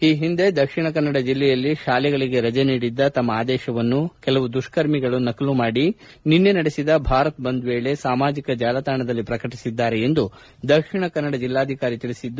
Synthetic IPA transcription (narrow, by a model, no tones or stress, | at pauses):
iːɦind̪e̞d̪ɐkʂiɳɐkɐnːɐɽɐd͡ʒilːɛjɐlːiʃaːlɛɡɐɭiɡe̞ɾɐd͡ʒeniːɽid̪ːɐt̪ɐmːɐaːd̪ɛːʃɐʋɐnːukɛlɐʋud̪uʂkɐɾmiɡɐɭunɐkɐlumaːɽi | ninːe̞nɐɽesid̪ɐbʱaːɾɐt̪bɐnd̪ʋeːɭe̞saːmaːd͡ʒikɐd͡ʒaːlɐt̪aːɳɐd̪ɐlːipɾɐkɐʈisid̪ːaːɾeend̪u | d̪ɐkʂiɳɐkɐnːɐɽɐd͡ʒilːaːd̪ʱikaːɾit̪iɭisid̪ː